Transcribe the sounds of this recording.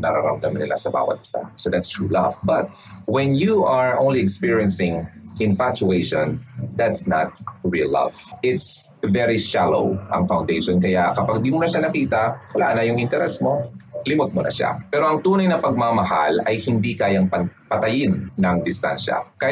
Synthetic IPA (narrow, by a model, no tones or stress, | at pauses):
nɐ̰ɾa̰ɾa̰wd̪ɐmɪnɪ̰lʔa̰sɐba̰ːwɐ̰t̪̚pɪ̥sa̰hsod̪at̪st̪ɹṵlɐ̰vbɐt̪̚ | wɛnjuʔɐɹʔo̰w̃nliɛkspiɹiɛnsɪ̃ŋʔɪ̃nfat͡ʃueʃɔ̃nd̪at̪snat̪̚ɹḭlːɐ̰v̥ʔɪt̪svɛɹiʃalo̰ʊʔɐ̰ŋfawnd̪ejʃɔnkɐjakɐpaɡ̚d̪imʊnɐʃanɐkiːt̪ɐwɐlaːʔnɐjʊŋɪnt̪ɛɾɛsmolɪmot̪̚monɐ̰ʃa̰pɛːɾoʔɐŋt̪uːnɐjnɐpɐɡ̚mamɐha̰lɐjhɪnd̪ikaːjɐŋpɐpɐt̪ɐjɪnːɐŋd̪ɪst̪a̰nʃɐ̰kɐ